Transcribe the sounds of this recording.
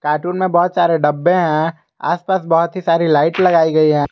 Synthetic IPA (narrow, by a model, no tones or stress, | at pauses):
kaːɾʈuːnmẽbɔɦʊt̪saːɾeɖɐbːẽɦɛ̃ | a̰ːspaːsbɔɦʊt̪ɦisaːɾilaːɪʈlɐɡaːiɡɐiɦɛ̃ː